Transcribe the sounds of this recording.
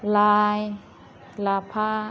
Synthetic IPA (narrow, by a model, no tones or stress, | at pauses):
laːj | laːpʰaː